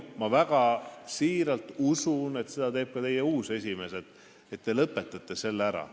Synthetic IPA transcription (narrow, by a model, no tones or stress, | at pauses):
mɑvæɡ̥ɑsiːɾɑlt̪ˑusune̞t̪se̞d̪̥ɑt̪e̞ːb̥̚kɑt̪e̞jeuːse̞s̬ʲime̞sed̪̥ | e̞t̪ːelɤpːˑe̞t̪ːˑɑt̪ːˑese̞lːæɾɑ̰